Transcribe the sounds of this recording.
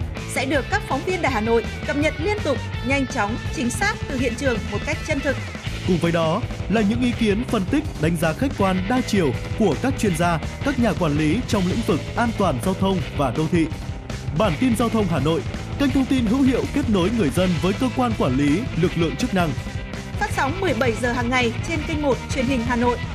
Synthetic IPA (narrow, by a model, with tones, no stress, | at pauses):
sɛ̰˧˥ɗɨ˨˩əkːaː˦˥k̚fɔ˨˦wŋ͡mvi˧əntaː˧˩jɦaː˨˩no̰˧˨jkə˨˩p̚ɲə˨t̚li˧ənt̪ʊ˨˩k͡p̚ɲa˧jŋ̟t͡ɕɔ˨˦wŋ͡mt͡ɕï˨˦ŋ̟saː˦˥k̚t̪ɨ˨˩hḭ˧˨ənt͡ɕɨ˨˩əŋmo˨˩t̚ka˦˥jk̟̚t͡ɕə˧nt̪ʰɨ˨˩k̚ | kʊ˨˩ŋ͡mvəː˨˦jɗɔ˨˦laː˨˩ɲɨ̰˧˥ŋʔi˨˦ki˨˦ənfə˧˩nt̪ï˦˥k̟̚ɗa˨˦jŋ̟zaː˨˦xa˦˥k̟̚kwaː˧nɗaː˧t͡ɕi˧˩əwku˧˩əkaː˦˥k̚t͡ɕwi˧ənzaː˧kaː˦˥k̚ɲaː˨˩kwaː˧˩nli˨˦t͡ɕɔ˧wŋ͡mlḭ̈˧˥ŋ̟vɨ˨˩k̚ʔaː˧nt̪waː˨˩nzaː˧wt̪ʰə˧wŋ͡mvaː˨˩ɗə˧wt̪ʰḭ˧˨ | ɓaː˧˩nt̪i˧nzaː˧wt̪ʰə˧wŋ͡mɦaː˨˩no̰˧˨jka˧jŋ̟t̪ʰə˧wŋ͡mt̪i˧nɦɨ̰˧˥whḭ˧˨əwke˦˥t̚no˨˦jŋɨ˨˩əjzə˧nvəː˨˦jkəː˧kwaː˧nkwaː˧˩nli˨˦lɨ˨˩k̚lɨ̰˧˨əŋt͡ɕɨ˦˥k̚na˧ŋ | faː˦˥t̚sa˨˦wŋ͡mmɨ˨˩əjɓə˧˩jzəː˨˩ɦaː˨˩ŋːa˨˩jt͡ɕe˧nkə˧jŋmo˨˩t̚t͡ɕwi˨˧˩ənhï˨˩ŋ̟ɦaː˨˩no̰˧˨jʔ